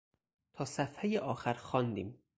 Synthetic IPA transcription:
t̪ʰɒːsæfhejeʔɒːxæɾxɒːnd̪ḭːm

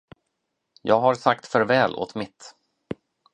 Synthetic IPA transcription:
jɑːɡɦaɾsakt̪fœɾvɛːlʔo̰ːt̪mɪt̪

